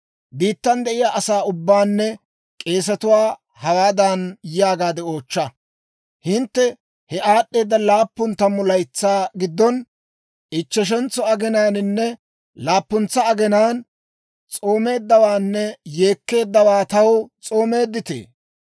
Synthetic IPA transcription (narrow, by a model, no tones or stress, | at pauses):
biːt̪ːɐnd̪ɛʔɪjaːʔɐsaːʊbːaːnːɛ | kʼe̞ːs̬ɐt̪ʊwaː | hɐwaːd̪ɐnjɪjaːɡaːd̪ɛo̞ːt͡ʃːɐ | hɪnt̪ːɛ | hɛʔaːɗːe̞ːd̪ːɐlaːpːʊnt̪ɐmːʊlɐjt͡sːaːɡɪd̪ːɔn | ʔɪt͡ʃːɛʃ̬ɛnt͡sːɔɐɡɛnaːnɪnːɛ | laːpːʊnt͡sːɐːɡɛnaːn | t͡sʼoːme̞ːd̪ːɐwaːnːɛje̞ːkːe̞ːd̪ːɐwaːt̪ɐwt͡sʼo̞ːme̞ːd̪ːɪt̪ḛː